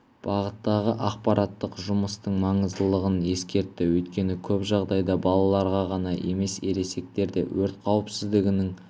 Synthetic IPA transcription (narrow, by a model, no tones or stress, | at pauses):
b̥ɑʁət̪ːɑʁəʔɑqpɑɾʔɑt̪ːəqʒʊməst̪əɴmɑɴəzd̪əlˠəʁəne̞skʲe̞ɾt̪ːɪwɵjt̪kʲe̞nɪkʲʰɵpʒɑʁd̪ɑjd̪ɑbɑlˠɑlˠɑɾʁɑʁɑnɑʔe̞̰me̞seɾe̞se̞k̚t̪e̞ɾd̪e̞̰wɵɾt̪qʰɑwəpsɪzd̪ɪɡʲɪnɪŋ